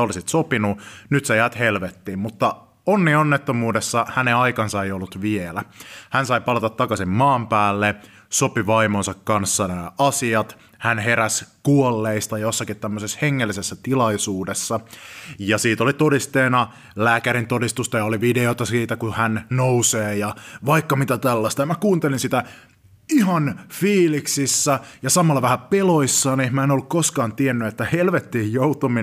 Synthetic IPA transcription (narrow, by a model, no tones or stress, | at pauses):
olisit̪sopinunyt̪sejæːt̪helʋet̪ːiːmmut̪ːɑ | onːionːet̪ːomuːdesːɑhæneɑjkɑnsɑejolːut̪ʋielæhænsɑjpɑlɑt̪ɑt̪ːɑkɑsimmɑːmpæːlːe | so̞piʋɑimonsɑkkɑnsːɑnææʔɑsiɑt̪ | hænɦeɾæskuolːeist̪ɑjosːɑkit̪t̪æmːøsesheŋːelːisesːæt̪ilɑisuːdesːɑjɑsiːt̪olit̪odist̪eːnɑ | læːkæɾint̪odist̪ust̪ɑjɑoliʋideot̪ɑsiːt̪ækuhænnouseːjɑʋɑikːɑmit̪æt̪ælːɑst̪ɑjɑmækuːnt̪elinsit̪æ | ihɑnfiːliksisːæjɑsɑmɑlːɑʋæhæpeloisːɑːniehmæenolːukkoskɑːnt̪ienːyet̪ːæhelʋet̪ːiːjjout̪omi